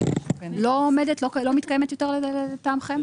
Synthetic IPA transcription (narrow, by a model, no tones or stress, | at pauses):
loomedet̪loklo̞mit̪kajemet̪jot̪eʁleletamχem